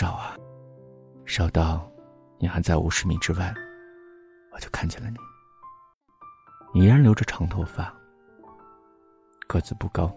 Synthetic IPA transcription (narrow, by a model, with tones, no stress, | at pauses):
ɑ˨˩ʊɐ˧ | ʂɑ˨˩ʊt̪ɑ˥˩ʊ | ni˨˩xa˧˥ɪt͡sa˥˩ɪʔṵ˨˩ʂɻ̩˧˥mḭ˨˧˩ʈ͡ʂɻ̩˥wa˥˩ɪ | wɔ˨˩t͡ɕjo˥˧ʊkʰa˥˩nt͡ɕʰɛ˨˩lə˦ni˨˦ | i˨˩˥ɻa˧˥nljo˧˥ʊʈ͡ʂə˥˧ʈ͡ʂʰɑ˧˥ŋt̪ʰo˥˧ʊfa˥˩ | kɤ˥˧˩t͡sɹ̩˨˩pu˥˩kɑ˥ʊ